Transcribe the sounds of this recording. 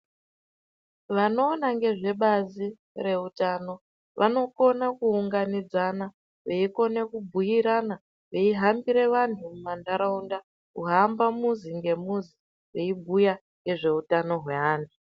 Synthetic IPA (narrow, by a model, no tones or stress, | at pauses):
ʋano̞ːnaŋɡe̞ʐe̞ɓazi | re̞utaːno̞ | ʋʔa̰no̞ko̞nakuːŋɡanid͡zana | ʋeiko̞ne̞kubʱujiɾana | ʋeiɦambiɾe̞ʋantʰumumandaɾaunda | uɦambamuziŋɡe̞muzi | we̞ibʱuja | ŋɡe̞ʐe̞utano̞ɦwe̞ɦaːntʰu̥